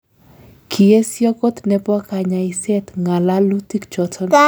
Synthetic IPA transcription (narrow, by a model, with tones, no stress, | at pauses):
kʰi˨e˦sjɔ˦kɔ˦t̪nɛ˨pwa˦ka˨ɲa˨i˨sɛ˦t̪ŋa˨la˦lu˦ti˦kt͡ʃɔ˨tʰɔ˦n